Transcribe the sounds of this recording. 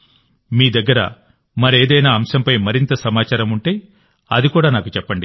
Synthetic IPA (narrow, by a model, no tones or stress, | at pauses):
miːd̪ɐɡːɐɾɐ̰ | mɐɾeːd̪ɐjnaːɐmsɐmpɐjmɐɾint̪ɐsɐmaːt͡ʃaːɾɐmuɳʈe̞ːj | ɐ̰d̪ikuːɽaːnaːkut͡ʃɛpːɐɳɖi